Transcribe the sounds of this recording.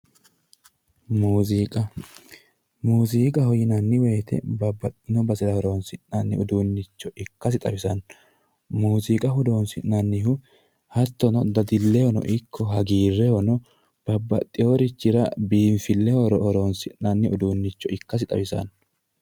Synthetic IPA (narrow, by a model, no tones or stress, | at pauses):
muːzkʼɐ | muːziːkʼɐhɔjɪnɐnːɪweːt̪ʰɛ̰bɐbːɐt̪ʼːɪnɔbɐsɪɾɐhɔɾoːnsɪʔnɐnːɪ̰ʊd̪unːɪt͡ʃːɔʔɪkːɐs̬ɪt̪ʼɐbɪsɐn | muːsikʼɐhʊd̪o̞ːnsɪʔnɐnːɪhʊ | hɐt̪ːɔnɔd̪ɐd̪ɪlːɛhɔnɔ̰ʔɪkʰːɔɦɐɡiːrːɛhɔnɔ | b̥ɐbːɐt̪ʼːɪjoɾɪt͡ʃːɪɾɐbiːnfɪlːɛhɔɾɔɾoːnsɪʔnɐnːɪʊd̪uːnːɪt͡ʃːɔʔɪkːɐs̬ɪt̪ʼɐ̰wɪsɐ̰n